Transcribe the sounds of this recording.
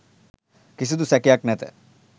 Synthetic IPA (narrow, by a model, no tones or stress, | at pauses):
kisid̪usɛkijaknɛt̪ɛ̰